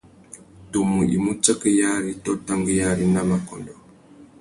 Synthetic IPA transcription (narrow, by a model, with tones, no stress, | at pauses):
tu˨mu˨ḭ˨mu˦t͡ʃə˦kə˦ja˦ɾi˦tɔ˦ta˦ŋɡə˦ja˦ɾi˦na˦ma˨kɔ˨ndɔ˨